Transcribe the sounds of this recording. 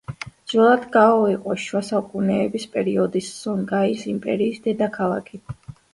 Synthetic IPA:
dd̪z̥ɛlˠad̪ɡaɔiqʼɔʃwasaukʼunɛːbispʼɛɾiɔd̪isːɔŋɡaisimpʼɛ̰ɾiːsd̪ɛd̪akʰalˠa̰kʰi

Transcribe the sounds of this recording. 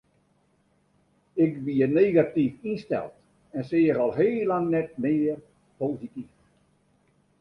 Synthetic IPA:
ɪkʋiəneːɣatifinstɛ̰lˠt | ɛnsɪːəɾɔlˠɦeːlaŋnɛt̚mɪːər | poːzitif

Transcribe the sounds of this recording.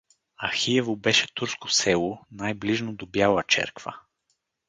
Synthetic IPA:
ɐxiɛvobɛʃɛt̪uɾsko̥sɛlˠonajbliʒnod̪objalˠət͡ʃɛ̰ɾkvə̰

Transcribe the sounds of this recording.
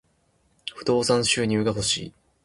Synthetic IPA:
ɸɯ̟d̪o̞ːsãɰ̃ɕɨːɲ̟ɨːɡaɦo̞ɕḭː

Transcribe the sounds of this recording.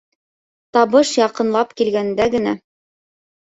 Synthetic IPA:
t̪ɑβɤʃjɑqɤ̆nlˠɑpkilɡænd̪æɡɘ̆næ

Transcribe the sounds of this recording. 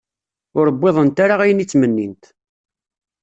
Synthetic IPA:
ʊɾəbːeðˤənt̪aɾaʁæjənit͡sːmənːint̪

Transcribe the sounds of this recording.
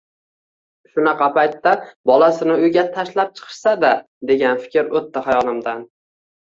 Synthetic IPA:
ʃʊnɑqʰɑpajt̪ːabɒlasɪnɪʊjɡʲat̪ʰaʃlap̚t͡ʃʰɨ̥qʰɨ̥ʃsad̪a | d̪e̞ɡʲanfɪ̥kʲɾot̪ʰːahajɒlɪmd̪an

